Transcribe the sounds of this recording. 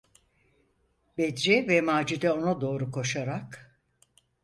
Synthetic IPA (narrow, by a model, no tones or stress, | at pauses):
bɛd̪ɾɛvɛmaːd͡ʒid̪ɛo̞nad̪o̞ːɾukʰo̞ʃaɾak